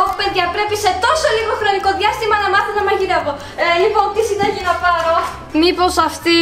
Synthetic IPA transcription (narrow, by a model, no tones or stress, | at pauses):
opupeðʝɐpɾe̞pise̞t̪o̞so̞liɣo̞xɾoniko̞ðʝɐst̪imɐnɐmɐθonɐmɐʝiɾevo | lipont̪isid̪ɐʝinɐpɐɾo | mipo̞sɐft̪i